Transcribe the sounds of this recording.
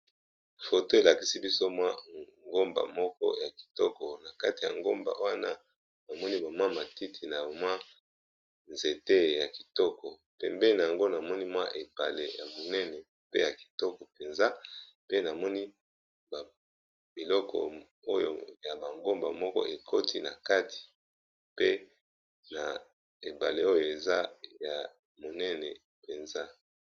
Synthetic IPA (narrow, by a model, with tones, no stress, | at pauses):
fo˨to˦e˨la˨ki˨si˦bi˦so˦mwa˦ŋɡo˦mba̰˨mɔ˦kɔ̰˦ja˨ki̥˨tɔ˦kɔ˨na˨ka˦ti˨ja̰˨ŋɡo˦mba̰˨ʔo˦a˦na˦ | ba˨mɔ˦ni˦ba˨mwa˦ma˨ti˦tʰi˨na˨mwa˦ | nze˨te˦ja˨ki˨tɔ˦kɔ˨ | pɛ˨mbɛ˦˨na˨a˨ŋɡo˦na˨mɔ˦ni˦mwa˦ʔe˨pa̰˨lḛ˨ja˨bo˨nɛ˦nɛ˨ | pe˦ja˨ki̥˨tɔ˦kɔ˨pe˨nza˦ | pe˦na˨mɔ˦ni˦ | ba˨ | bi˨lɔ˦kʰɔ̰˨ | o˦jo̰˨ja˨ba˨ŋɡo˦mba˨mɔ˦kɔ̰˦ʔe˨kʰo˦tʰi˦na̰˨ka˦tʰi̥˨ | pe˦ | na˨ | e˨ba˨le˦o˦jo˨e˨za˦ja˨ | mo˨nɛ˦nɛ˨ | pe˨nza˦